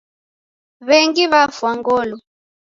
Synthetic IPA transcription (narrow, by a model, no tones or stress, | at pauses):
βɛŋɡiβafwaŋɡɔlɔ